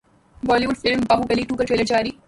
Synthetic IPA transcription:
ʋɔːliʋʊlfɪlmbaːɦuɡɐliʈuːkəɾʈɾeːləɾd͡ʒaːɾiː

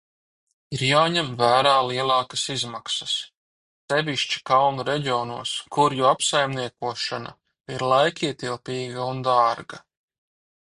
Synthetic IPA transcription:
iɾjaːɲɛmvæːɾaːlˠiɛlˠɑːkasizmaksɐs | sɛvʲiʃt͡ʃi̥kawnuɾɛɟiɔːnuɔːskuɾjuapsajmniɛkuɔʃana̰ | iɾlˠajkiɛt̪ilˠpʲiːɡaund̪aːɾɡa

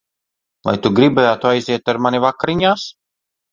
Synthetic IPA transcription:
va̰jt̪uɡɾibajaːt̪uajziɛt̪aɾmanʲivakaɾiɲaːs

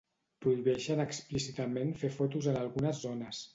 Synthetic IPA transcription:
pɾuiβɛʃənəksplisit̪əmenfefɔt̪uzənalˠɣunəzːonəs

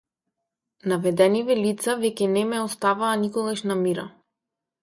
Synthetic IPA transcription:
navɛd̪ɛnivɛlit̪savɛcʲɛnɛmɛɔst̪avaːnikɔɡaʃnamiɾa̰

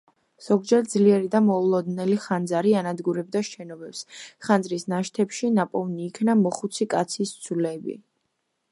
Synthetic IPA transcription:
z̥ɔɡd͡ʒɛɾd̪zliɛɾid̪amɔulˠɔd̪nɛliχand̪zaɾianad̪ɡuɾɛb̚d̪aʃɛnɔbɛpsχanzɾisnaʃt̪ʰɛpʃinapʼɔvniːkʰnamɔχut̪sʰikʼat̪sʰist̪sʰulɛbḭ

